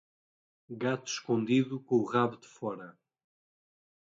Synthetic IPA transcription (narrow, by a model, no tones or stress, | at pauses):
ɣat̪u̥ʃkõnd̪iðukõuʁaβuðɨfɔɾɐ